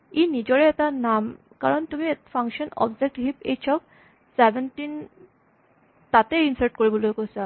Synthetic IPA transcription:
inid͡ʑɔɭeet̪anam | kaɾɔnt̪umiet̪fʰaŋkʃɔnɔ̰bd͡ʑek̚ʈɦipḛt͡ɕʰɔk̚ | sebenʈin | t̪at̪einsaɾʈkoɾibɔluekɔsa

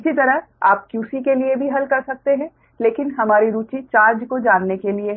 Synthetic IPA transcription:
ɪsit̪ɐɾəɦaːp̚kjuːsikeliebʱiɦɐlkɐɾsɐk̚t̪eɦɛ̃ː | leːkɪnɦɐmaːɾiɾuːt͡ʃit͡ʃaːɾd͡ʒkod͡ʒaːnːekelie

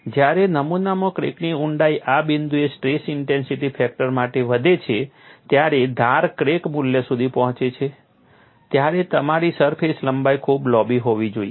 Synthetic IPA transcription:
d͡ʒjaɾenəmunamãkɾḛkniuɳɖaiʔabind̪uesʈɾesɪɳʈensiʈipʰɛk̚ʈəɾmaʈeʋəd̪ʱet͡ʃʰet̪jaɾed̪ʱaɾkɾekmuljəsud̪ʱipɔɦɔ̃t͡ʃet͡ʃʰe | t̪jaɾet̪əmaɾisəɾpʰesləmbajkʰublɔbiɦoʋid͡ʒoie

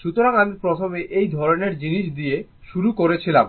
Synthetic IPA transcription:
ʃut̪oɾaŋad̪iɾpɾot̪ʰomeʔejd̪ʱɔɾoneɾd͡ʑiniʃ̬d̪ije | ʃuɾukoɾet͡ɕʰilam

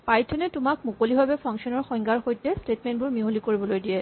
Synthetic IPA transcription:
paɹitʰːɔnɛtʊmak̚mukolibabɛpʰɔŋksɔnɔɹxɔŋɡaɹxojtɛstetmɛnbʊɹmiɦolikoɹibɔlojdijɛ

